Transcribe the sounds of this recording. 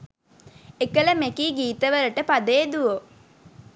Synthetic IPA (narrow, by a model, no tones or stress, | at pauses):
ekələmekiːɡiːt̪əʋəɾəʈəpad̪eːd̪uʋo